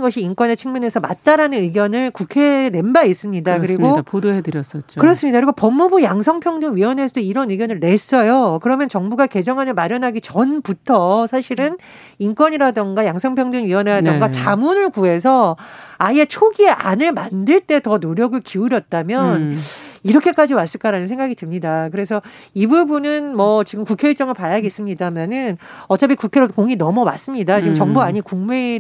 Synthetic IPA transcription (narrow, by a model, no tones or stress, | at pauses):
nɡʌɕʰiink͈wʌne̞t͡ɕʰɯŋmune̞sʰʌmat̚t͈aɾanɯnɯɡjʌnɯɭkukʰene̞nbais͈ɯmɲidakkɯɾiɡopodoedɯɾjʌs͈ʌt͡ɕ͈okɯɾʌs͈ɯmɲidakɯɾiɡopʌmːubujaŋsʰʌŋpʰjʌŋdɯnɥiwʌne̞sʰʌoiɾʌnɯɡjʌnɯɭːe̞s͈ʌjokɯɾʌmjʌnt͡ɕʌŋbuɡake̞d͡ʑʌŋɦanɯɭmaɾjʌnɦaɡit͡ɕʌnputʰʌsʰaɕʰiɾɯn | ink͈wʌɲiɾadɯŋɡajaŋsʰʌŋpʰjʌŋdɯnɥiwʌneɾadɯŋɡat͡ɕamunɯɭkue̞s̬ʰʌaie̞t͡ɕʰoɡieʔanɯɭmandɯɭt͈e̞tʌnoɾjʌɡɯɭkiuɾjʌt̚t͈amjʌniɾʌkʰe̞k͈ad͡ʑimas͈ɯɭk͈aɾanɯnsʰe̞ŋɡaɡidɯmɲidakɯɾe̞sʰʌibubunɯnmʌt͡ɕiɡɯmkukʰeiɭt͡ɕ͈ʌŋɯɭpajaɡes͈ɯmɲidamanɯn | ʌt͡ɕ͈apʰikukʰe̞ɾokoŋinʌmʌmas͈ɯmɲidat͡ɕiɡɯmt͡ɕʌŋbuaɲikuŋme̞